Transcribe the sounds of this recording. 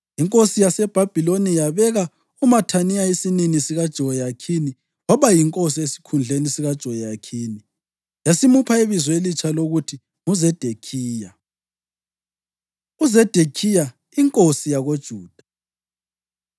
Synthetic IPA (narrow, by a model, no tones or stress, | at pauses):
iŋkʼosijasɛb̥ʱab̥ʱilonijaβɛɣa | umatʰaniaesininisiɣad̥ʒ̥ʱɔɔjakʰini | wɔβajiŋkʼosiesi̥kʰund͡ɮʱenisiɣad̥ʒ̥ʱɔjjakʰiːni | jasimupʰaeβizwelit͡ʃʰʼaloɣutʰi | ŋuzɛd̥ʱekʰiːja | uzɛd̥ʱekʰija | iŋkʼosijaɣod̥ʒ̥ʱuːd̥ʱḁ